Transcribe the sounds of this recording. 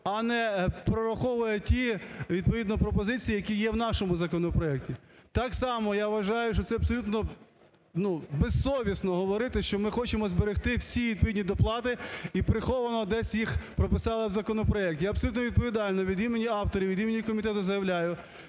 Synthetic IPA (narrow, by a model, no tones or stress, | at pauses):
ɐnɛpɾɔɾɐxɔʋʊjɛtʲiʋʲid̪̚pɔʋʲid̪nɔpɾɔpɔzɪt͡sʲijijɐkʲijɛwnɑʃɔmʊzɐkɔnɔpɾɔɛk̚tʲi | t̪ɑksɑmɔjaʋɐʒɑjʊʃt͡ʃɔt̪sɛɐbsɔlʲut̪nɔ | nubessɔʋʲisnɔɦɔʋɔɾɪt̪ɪʃt͡ʃɔmɪxɔt͡ʃemɔzbeɾext̪ɪwsʲiʋʲid̪̚pɔʋʲid̪ʲnʲid̪ɔplˠɑt̪ɪipɾɪxɔʋɐnɔd̪ɛsʲjixpɾɔpɪsɑlˠɪwzɐkɔnɔpɾɔɛk̚t̪ʲjaɐbsɔlʲut̪nɔʋʲid̪̚pɔʋʲid̪ɑlʲnɔʋʲid̪imenʲiɑwt̪ɔɾʲiʋʲid̪imenʲikɔmʲit̪ɛt̪ʊzɐjɐʋlʲajʊ